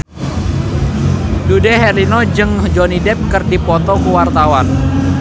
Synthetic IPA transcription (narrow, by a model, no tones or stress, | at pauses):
dudɛɦɛɾinɔd͡ʒɨŋd͡ʒonidɛp̚kərdipɔt̪ɔkuwart̪awan